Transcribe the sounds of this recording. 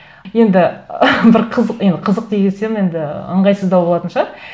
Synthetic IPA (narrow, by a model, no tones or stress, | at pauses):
je̞nd̪ɪbɪɾqʰəzəqje̞nd̪ɪqʰəzəq̚d̪eɡʲese̞ne̞nd̪ɪə̰ɴʁɑjsəzd̪ɑwboɑt̪ənʃɑ